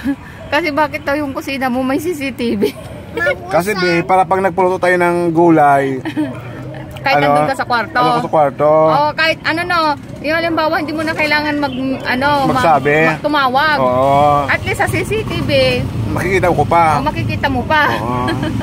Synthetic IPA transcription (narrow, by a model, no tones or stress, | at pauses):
kɐsɛbaːkɪt̪̚d̪ojʊŋkʊsiːnɐmomɐjsiːs̬ɪt̪iːbɪ | kɐs̬ɛb̪ɛpaːɾɐpɐɡnɐɡ̚pɐloːt̪ot̪aːjonɐŋɡuːlaj | kaːhɐnaokasɐkwaɾt̪osɐkwaɾt̪oʔokaːhɪt̪̚ʔɐnono | jʊŋɐlɪmbaːwɐhɪnd̪iːmonɐkɐjlaːŋɐnmɐɡ̚ʔɐnomɐɡsaːbɪɐɡ̚t̪ʊmaːwaɡoːʔoʔɐt̪lisːɐsisit̪ibɪmɐkɪkiːt̪ɐmkopamɐkɪkiːt̪ɐmopaʔo